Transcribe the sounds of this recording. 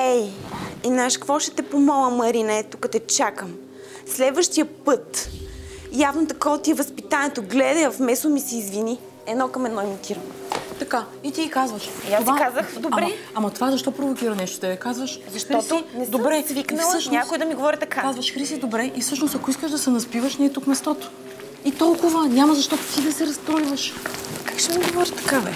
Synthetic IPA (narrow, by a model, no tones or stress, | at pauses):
ɛjɛnaʃkkvɔʃɛ̥t̪ɛpomɔlˠəmɐɾinɛɛt̪ukət̪ɛt͡ʃakəm | slɛd̪vəʃt̪iəpɤt̪ | javnot̪ɐkɔt̪iɛvɐspit̪anɛt̪oɡlɛd̪ɐjfmɛsomisɛːzvini | ɛd̪nɔkɐmɛd̪nɔimit̪iɾənot̪ɐka | it̪iikazvəʃiasvakazəxd̪obɾmɛ | ɐmɐt̪ovazɐʃt̪ɔpɾovok̟iɾɐnɛʃt̪o̥t̪ɛd̪ɐkazvəʃzɐʃt̪ɾɔt̪onɛsd̪ombɾɛsviknəlˠəʃnɲak̪oɛd̪ɐmiɡovɔɾit̪ɐkakazvɐʃxɾisid̪obɾɛʔifsɤʃnost̪ɐkoiskəʒd̪ɐsɛnɐspivəʃnɛt̪ukmɛst̪ɔt̪o̥ | it̪ɔlˠkʊvənʲamɐzɐʃt̪ɔt̪ot̪id̪ɐsɛɾɐst̪ɾɔjvɐʃkakʃt̪ɛmiɡovɔɾit̪ɐ̥kavɛ̰